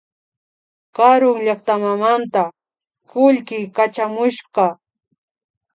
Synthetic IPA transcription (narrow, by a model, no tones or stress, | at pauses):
kɑɾʊŋʎakt̪amamant̪a | kʊʎkɪkat͡ʃamʊʃɢɑ